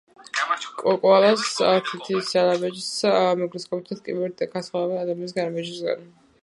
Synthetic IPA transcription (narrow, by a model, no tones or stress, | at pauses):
kʼɔkʼɔalasaɾt̪ʰit̪ʰisalabɛd͡ʒsmɛɡɾiskʼapt̪ʰat̪kʼibɛɾt̪̚d̪akʰasχavɛnad̪aminisɡaɾmɛd͡ʒisɡa̰n